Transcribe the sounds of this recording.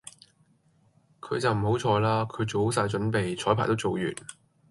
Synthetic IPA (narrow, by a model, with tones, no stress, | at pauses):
kʰɵ˨˧t͡sɐ˨wm̩˨˩ho˨˥wt͡ʃʰɔː˧jlaː˥kʰɵ˨˧ɥt͡so˨˧˥s̬aː˧jt͡ʃɵ˨˥npe˨jt͡ʃʰɔː˨˥jpʰaː˨˩t̪o˥wt͡so˨wjy̰ː˨˩n